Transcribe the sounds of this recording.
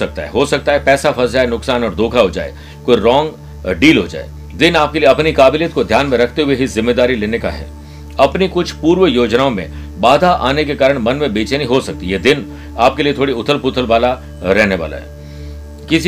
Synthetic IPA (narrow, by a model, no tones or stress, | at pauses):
ɐk̚t̪a̰ɦɛ̰ɦosɐk̚t̪aɦɛpɛːsapʰɐd͡ʒaːenʊksaːnɔːɾd̪ʱoːkʰaɦod͡ʒa̰ːḛ | koːiɾɔ̃ːŋɡ | ɖiːlɦod͡ʒa̰ːḛ | d̪ɪnaːp̚kelieɐpnikaːbɪljət̪̚kod̪ʱjaːnmẽɾɐkʰt̪eɦʊweɦizɪmːeːd̪aːɾileːneka̰ɦɛ̰ː | ɐpnikʊt͡ʃʰpuːɾʋəjoːd͡ʒnaːõmḛ̃ | baːd̪ʱaʔa̰ːnekekaːɾə̃ɽ̃mɐnmẽbeːt͡ʃenɐɦĩɦosɐk̚t̪iɦɛd̪ɪn | aːpkeliet̪ʰoːɽiʊt̪ʰəlpʊt̪ʰəlʋaːla | ɾɛɦneʋa̰ːla̰ɦɛ̰ː | kɪsi